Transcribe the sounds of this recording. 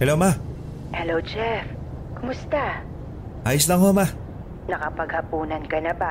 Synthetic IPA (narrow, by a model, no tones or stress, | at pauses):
hɛlowma | hɛlowd͡ʒɛf | kʊmʊst̪a | ʔaːjslɐŋɦoma | nɐkɐpɐɡhɐpuːnɐnkɐnɐba